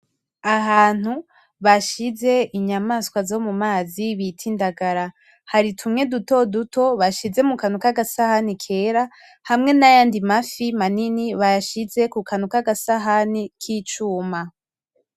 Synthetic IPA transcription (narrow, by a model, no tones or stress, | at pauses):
aɦaːn̥hu | βaʃize̞ʔiɲamaskwazo̞mumaːziβitʰindaɡaɾa | haɾitʰumŋe̞duto̞duto̞βaʃize̞mukanukaɡasahanikʰe̞ɾa | hamŋe̞najaːndimafimaniniβajaʃize̞kukʰanukaɡasaɦanikʰiːt͡ʃuːma